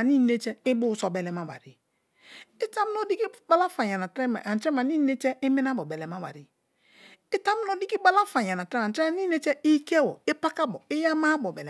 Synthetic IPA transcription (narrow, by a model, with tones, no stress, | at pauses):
a˨ni˦ne˦t͡ʃɛ˦ɪ˦bʊ˦sɔ˨bɛ˨lɛ˨ma˦ba̰˨ɾi˨ | ɪ˦ta˦m˦nɔ˦di˦ki˦ba˦la˦fa˨ɲa˨na˨tɾɛ˦ma˨ʔa˨t͡ʃɾɛ˦ma˨ni˦ne˦t͡ʃɛ˦ɪ˦mi˦na˦bɔ˨bɛ˨lɛ˨ma˦wa̰˨ɾi˨ | ɪ˦ta˦m˦nɔ˦di˦ki˦ba˦la˦fa˨ɲa˨na˨tɾɛ˦ma˨t͡ʃɾɛ˦a˨ni˦ne˦t͡ʃɛ˦i˦kɛ˦wɔ̰˨e˦pa˦ka˦bɔ˨ɪ˦ja˦ma˦bɔ˨bɛ˨ɛ˨